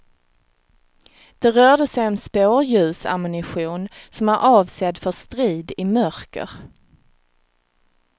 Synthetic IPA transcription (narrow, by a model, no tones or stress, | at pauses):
d̪̥ɛɾœːɖəsɛjɛnspoːɾjʉ̟ːsa̰mɵnɪɧuːnsɔmaɾʔɑːvsɛd̪fœʂt̪ɾiːd̪ɪmœɾkə̰ɾ